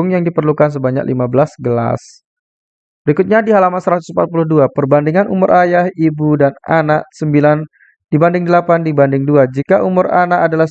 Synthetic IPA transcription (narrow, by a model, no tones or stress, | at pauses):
ŋjaŋdipərlukans̬əbaɲa̰k̚lḭmabəlasɡəla̰s | bəɾikʊt̪̚ɲadiɦalamansəɾat̪ʊsm̩pat̪̚pulʊhduapərbandɪŋanumʊɾʔajahibudananaʔ̚səmbilan | d̥ibandɪŋdəlapandibandɪŋduad͡ʒikaʔumʊɾanaʔadala